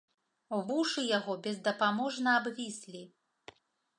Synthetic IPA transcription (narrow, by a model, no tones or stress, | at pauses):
vuʂɨjaɣɔbʲɛzd̪ɐpamɔʐnɐabvʲisʲlʲi